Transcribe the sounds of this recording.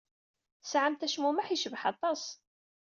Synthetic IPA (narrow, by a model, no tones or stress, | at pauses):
θsʕəmt̪æʃmumaħiʃəvħɑt̪ˤɑs